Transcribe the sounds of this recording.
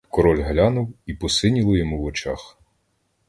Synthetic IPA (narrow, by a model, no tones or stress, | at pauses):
kɔɾɔlʲɦlʲanʊwipɔsɪnʲilˠɔjɔmuwɔt͡ʃɑx